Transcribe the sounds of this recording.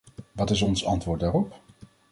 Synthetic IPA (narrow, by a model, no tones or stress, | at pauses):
ʋɑtɪsɔnsɑ̰ntʋʊːɹdaːrɔp